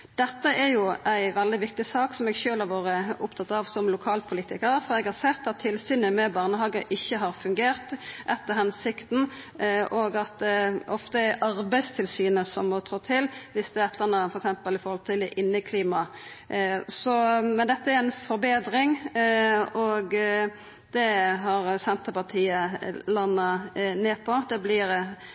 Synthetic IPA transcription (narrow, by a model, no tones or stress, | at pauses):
d̪̥ɛt̪ːəɛɾjʊæɪʋɛld̪ɪʋɪkt̪ɪsɑːksɔmɛɡʃøːlɑɾʋɑːɾəʊpt̪ʰɑt̪ɑʋsɔmlʊkʰɑːlpʰʊliːt̪ɪkəɾfɔɾɛɡhɑʁsɛt̪ːɑt̪ʰːɪlsyːnəmɛbɑːʁnəɦɑːɡəʔɪçːəɦɑɾfʉŋɡeːʁt̪ʔɛt̪ːəɾɦɛnsɪkt̪n̩ɔɡɑt̪̚d̪ɔft̪əæɑɾbæɪst̪ʰɪlsyːnəsɔmːɔt̪ʰʁut̪ʰɪlʋɪsd̪ɛɛt̪ʰlənəfɔɾɛksɛmpəlɪfɔɾhɔlt̪ʰɪlɛʔɪnːəkʰliːmɑ | sɔmɛnd̪ɛt̪ːəæɾɛɪnfɔɾbeːd̪ɾɪŋ | ɔɡ | d̪̥ɛɦɑɾsɛnt̪əpɑʁt̪ʰiːəlɑnːɑneːpʰɔd̪ɛblɪɾ